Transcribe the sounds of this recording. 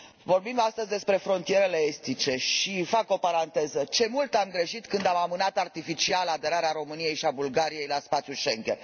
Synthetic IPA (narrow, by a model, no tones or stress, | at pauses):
vo̞rbimd̪ast̪əzʲd̪e̞spɾe̞fɾo̞nt̪ije̞ɾe̞leest̪it͡ʃe̞ʃifako̞paɾant̪e̞zət͡ʃe̞mult̪amɡɾe̞ʃit̪kɨnd̪amamɨnat̪art̪ifit͡ʃialad̪e̞ɾaɾeaɾo̞mɨnije̞jʃiabulɡaɾije̞jlaspat̪sjuʃe̞ŋɡʲer